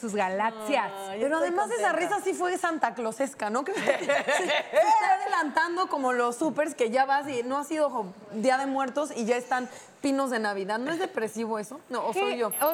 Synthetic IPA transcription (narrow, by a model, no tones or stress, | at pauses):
suzɣalaksjaseɾoaðe̞masesarisasifwe̞sant̪aklo̞se̞skano̞kesst̪aaðelant̪and̪o̞ko̞mo̞lo̞supe̞ɾs̬ke̞ʝaβasino̞asiðoxo | d̪jiaðe̞mwe̞ɾt̪o̞siʝae̞st̪an | pino̞zðe̞naβiðaðno̞ezðe̞pɾe̞siβ̞o̞e̞so̞noːsso̞jjʝo̞